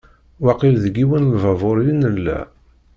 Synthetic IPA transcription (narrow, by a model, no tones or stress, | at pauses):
wɑqilðəɡiwənlvɑvoɾjinəlːæ̰